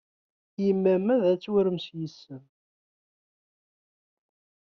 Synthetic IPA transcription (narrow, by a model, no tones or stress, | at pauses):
jəmːæmæðæt͡sːwəɾəmsjəsːəm